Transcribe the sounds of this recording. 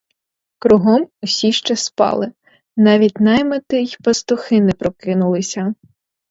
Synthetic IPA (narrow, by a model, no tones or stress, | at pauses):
kɾuɦɔmʊsʲiʃt͡ʃɛspɑ̰lˠɪ | nɑʋʲit̚ʲnɐjmɐt̪ɪjpɐst̪ʊxɪnɛpɾɔkɪnʊlˠɪsʲɐ